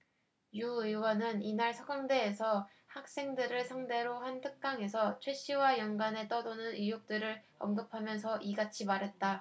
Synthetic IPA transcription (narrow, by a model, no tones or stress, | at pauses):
juɯwʌnɯninaɭsʰʌɡaŋde̞ːsʰʌ | hak̚s͈e̞ŋdɯɾɯɭsʰaŋde̞ɾoɦantʰɯk̚k͈aŋe̞sʰʌt͡ɕʰwe̞ɕ͈ʰiwajʌŋɡane̞t͈ʌdonɯnijok̚t͈ɯɾɯɭ | ʌmɡɯpʰamjʌns̬ʰʌʔiɡat͡ɕʰimaɾɦe̞t̚t͈a